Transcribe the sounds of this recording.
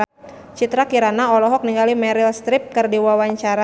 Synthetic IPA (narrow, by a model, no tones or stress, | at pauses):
t͡ʃit̪ɾakiɾanaɔlɔɦɔk̚niŋɡalimɛɾilst̪ɾɪp̚kɨrdiwawaɲt͡ʃaɾa